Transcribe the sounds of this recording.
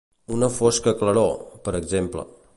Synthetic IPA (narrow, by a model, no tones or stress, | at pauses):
unəfoskəkləɾopəɾəɡzemplə̰